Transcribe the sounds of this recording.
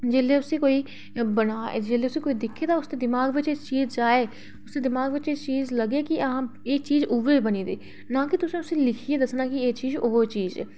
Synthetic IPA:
d͡ʒeːleːʊsĩːkoːiː | bənaːed͡ʒeːleːʊsĩːkoːiːd̪ɪkʰeːd̪aːʊst̪eːd̪ɪmaːɡʋɪt͡ʃet͡ʃiːzd͡ʒaːeː | ʊst̪eːd̪ɪmaːɡʋɪt͡ʃet͡ʃiːzləɡeːkɪəɦãːɪk̚t͡ʃiːzʊʋeːbəniːd̪eː | nãːkɪt̪ʊsĩːʊsĩːlɪkʰiːeːd̪əsnaːkɪeːt͡ʃiːzoɦt͡ʃiːzɛ̰ː

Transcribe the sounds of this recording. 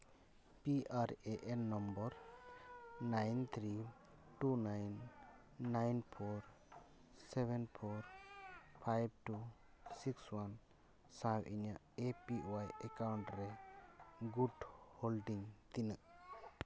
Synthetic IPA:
piʔaɾeʔɛnːɔmbɔɾ | najnt̪ʰɾi | ʈunajnː | ajnpʰoɾ | sɛbɛnpʰɔɾ | pʰajb̚ʈu | sikswan | sãbʔiɲaʔepiwajɛkawɳʈɾɛ | ɡuɖholɖiŋt̪inəʔ

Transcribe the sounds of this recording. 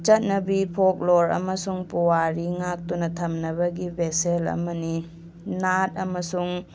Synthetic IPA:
t͡ʃɐt̚nɐbipʰok̚loɾɐ̰mɐsuŋpuwaɾiŋak̚tunɐtʰɐmnɐβɐɡibeselɐ̰mɐni | nat̚ɐmɐsuŋ

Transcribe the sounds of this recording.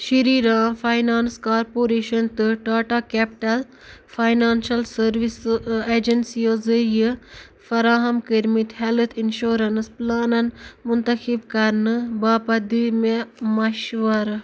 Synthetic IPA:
ʃiɾiːɾãːfajnaːnskaːɾpoːɾeːʃɐnt̪ɨʈaːʈakeːpʈɐl | fʰajnaːnʃɐlsɐɾʋiseːd͡ʒɐnsioːzɨjɨ | fɐɾaːɦɐmkiɾmit̪ɦelt̪ʰinʃoːɾɐnsplaːnɐnmʊnt̪ɐxibkɐɾnɨbaːpɐd̪imemɐʃʋɐɾ

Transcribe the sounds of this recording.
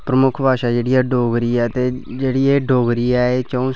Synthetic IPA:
pɾəmʊkʰbʱaːʃaːd͡ʒeːɽiːɛːɖoːɡɾiːɛːt̪eːd͡ʒeːɽiːeːɖoːɡɾiːɛːeːt͡ʃəũː

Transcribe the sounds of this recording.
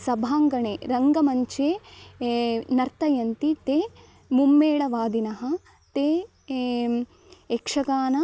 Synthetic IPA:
sɐbʱaːŋɡɐɳeːɾɐŋɡɐmɐɲt͡ʃeː | nɐɾt̪ɐjɐnt̪it̪eː | mumːeːɭɐʋaːd̪inɐɦɐ | t̪eː | ekʂɐɡaːnɐ

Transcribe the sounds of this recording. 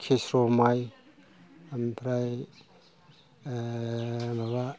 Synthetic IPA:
kʰesɾɔmaj | ampʰɾaj | maβa

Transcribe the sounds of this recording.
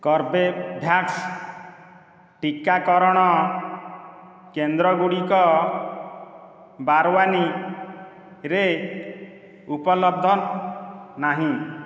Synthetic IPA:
kɔɾbebʱjaks | ʈikːakɔɾɔɽ̃ɔ | kend̪ɾɔɡuɽikɔ | baɾwani | ɾe | upɔlɔb̚d̪ʱɔ | naɦĩ

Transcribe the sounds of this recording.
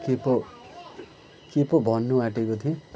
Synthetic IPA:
kepo | kepobʱʌnːuaʈekot̪ʰiõ

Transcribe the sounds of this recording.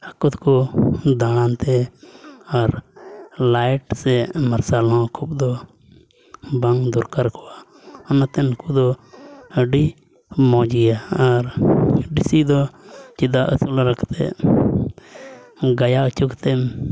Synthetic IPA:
əkut̪kud̪aɽ̃ant̪ɛ | aɾ | lajʈsɛməɾsalɦɔ̃kʰupd̪ɔ | baŋd̪ɔɾkaɾkʰɔwa | ɔnat̪ɛnkud̪ɔəɖi | mɔ̃d͡ʒijaaɾɖisid̪ɔt͡ʃid̪aʔəsulɾəkt̪ɛ̰ | ɡajaət͡ʃukt̪ɛm

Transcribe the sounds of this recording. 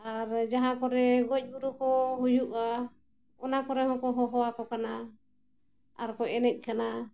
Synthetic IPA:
aɾd͡ʒaɦãkɔɾɛɡɔc̚ˀbuɾukɔɦujuʔa | ɔnakɔɾɛhɔŋkɔɦɔɦɔwakɔkana | aɾkɔcɛnɛc̚ˀkʰana

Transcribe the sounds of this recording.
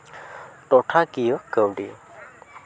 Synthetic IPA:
t̪ot̪ʰakiəkːəwɖḭ

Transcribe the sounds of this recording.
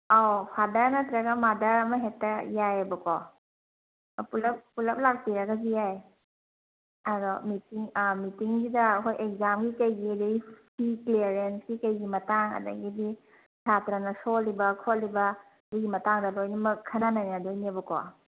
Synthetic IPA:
awpʰadɐɾnɐt̪ɾɐɡɐmadɐɾɐmɐɦetːɐjajɐbɐkɔ | pulɐp̚pulɐp̚lak̚piɾɐɡazijaj | ɐdɔmitiŋmitiŋsidɐkojʔekzamɡikɐjɡiɐdɐɡipʰiklieɾensɡikɐjɡimɐtaŋɐ̰dɐ̰ɡidi | d͡ʒatɾanɐsolibɐkʰolibɐ | buɡimɐtaŋdɐlojnɐmɐkʰɐnanajnadojniɐbɐkɔ̰

